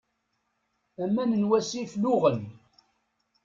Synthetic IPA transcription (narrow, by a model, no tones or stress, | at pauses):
æmːænənwæsiflʊʁəl